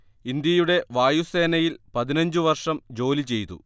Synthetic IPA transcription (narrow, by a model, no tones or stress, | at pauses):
ind̪jɐjuɽe̞ʋaːjuse̞ːnɐjilpɐðinɐɲd͡ʑɨʋɐrʂɐmd͡ʑo̞ːlit͡ɕe̞jt̪ṵ